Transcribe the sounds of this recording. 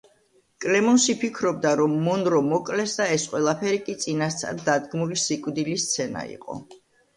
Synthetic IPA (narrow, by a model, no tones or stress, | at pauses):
kʼlɛmɔnʃipʰikʰɾɔb̚d̪aɾɔmːɔnɾɔmɔkʼlɛsd̪aɛsqʼwɛlˠapʰɛɾikʼit̪sʼinast̪sʰʼa̰ɾdd̪ːad̪ɡmulisikʼwd̪ilist̪sʰɛna̰ḭqʼɔ̰